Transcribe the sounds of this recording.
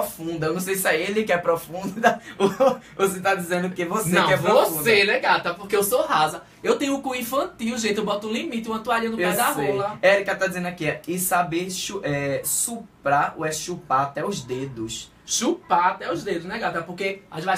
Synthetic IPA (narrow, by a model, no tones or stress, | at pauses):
ɔfũnd̪ɐewnɐ̃w̃sejsɪɛelɪkɪɛpɾɔfũdd̪ɐ | voset̪ad̪izẽnd̪ʊkevosneɐ̃ɛpɾɔvvofusd̪enɛɡat̪ɐpohkeewsoɦazɐ | ewt̪ẽj̃ʊ̃kũĩfɐ̃t̪iwʒẽt̪ɪewbɔt̪ʊũlimit̪ɪũɐ̃t̪uaɾĩɐnʊẽd̪aɦeollɐɛɾikɐt̪ad̪izẽnd̪akiɛɪsabeɾʃuʔɛsupɾaɾʊɛʃupat̪ɛʊzd̪ed̪ʊʃ | ʃupat̪ɛʊzd̪ed̪ʊznɛɡat̪ɐpoɾkeava